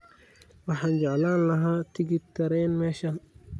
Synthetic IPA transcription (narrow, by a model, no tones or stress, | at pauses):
waħand͡ʒaʕlaːnlɐɦat̪iɡit̪ːɐɾɛːnmɛʃɐn